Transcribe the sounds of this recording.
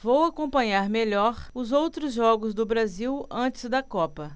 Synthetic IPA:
vowakõpɐ̃ɲaɾmeʎɔɾʊzowt̪ɾʊzʒɔɡʊzd̪ʊbɾaziwɐ̃t͡ʃɪ̥zd̪ɐkɔpɐ

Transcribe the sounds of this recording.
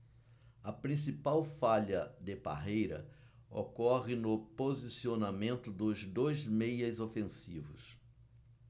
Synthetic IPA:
ɐpɾĩs̬ipawfaʎɐd̪ɪba̰ɦejɾɐ̰ | o̰kɔʁɪnʊpozisionamẽnt̪ʊd̪ʊzd̪ojzmejɐzofẽsivʊ̰s

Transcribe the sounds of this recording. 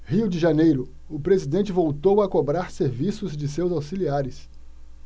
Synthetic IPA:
hiwd͡ʒɪʒanejɾʊ | ʊpɾezid̪ẽnt͡ʃɪvowt̪owɐkobɾaɾseɾvisʊzd͡ʒɪsewzawsiliaɾɪs

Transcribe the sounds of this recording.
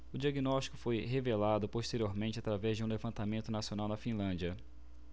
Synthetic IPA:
ʊd͡ʒiaɡinɔʃt͡ʃi̥kʊfojɦevelad̪ʊpoʃt̪eɾioɾmẽt͡ʃɪat̪ɾavɛzd͡ʒɪũlevɐ̃nt̪amẽnt̪ʊnasionawnɐfĩlɐ̃d͡ʒiɐ

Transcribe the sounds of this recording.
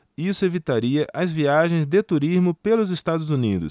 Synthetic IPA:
isʊevit̪aɾiɐʔɐzviaʒẽj̃zd̪et̪uɾizmʊpelʊzest̪ad̪ʊzunid̪ʊ̰s

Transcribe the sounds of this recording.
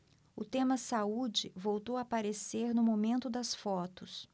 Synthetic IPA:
ʊt̪ẽmɐsaud͡ʒɪvowt̪owɐapaɾeseɾnʊmomẽnt̪ʊd̪ɐsfɔt̪ʊs

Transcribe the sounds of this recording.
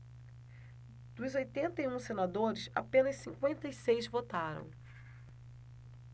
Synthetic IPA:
d̪̥ʊzojt̪ẽnt̪ɐjũsenad̪oɾɪsa̰pẽnɐssĩŋkwẽnt̪ɐisejzvot̪aɾɐ̰̃w̃

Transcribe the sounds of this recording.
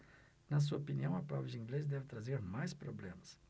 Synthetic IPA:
nɐs̬uɐopiniɐ̃w̃ɐpɾɔbɾɪd͡ʒɪĩŋɡlez̬d̪ɛvɪt̪ɾazeɾmajspɾoblẽmɐs

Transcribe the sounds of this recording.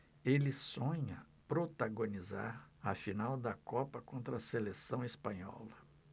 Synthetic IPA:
elɪsõɲɐ | pɾot̪aɡoniza̰ɾɐfinawd̪ɐkɔpɐkõnt̪ɾɐselesɐ̃w̃ispɐ̃ɲɔ̰lɐ

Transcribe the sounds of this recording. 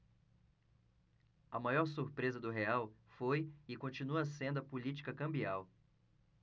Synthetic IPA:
ɐmajɔɾsuɾpɾezɐd̪ʊɦeawfojɪkõnt͡ʃĩnuɐsẽnd̪ʊɐpulit͡ʃi̥kɐkɐ̃mbiaw

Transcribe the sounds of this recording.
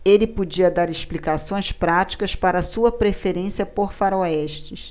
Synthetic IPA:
elɪpod͡ʒiɐd̪aɾɪʃplikasõj̃spɾat͡ʃi̥kɐspaɾɐsuɐpɾefeɾẽsiɐpoɾfaɾoɛʃt͡ʃɪs

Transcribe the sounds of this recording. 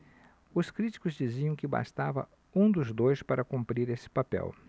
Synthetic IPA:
ʊskɾit͡ʃi̥kʊzd͡ʒiziɐ̃w̃kɪba̰st̪avɐ̰ | ũd̪ʊzd̪ojspaɾɐkũmpɾiɾesɪ̥papɛ̰w

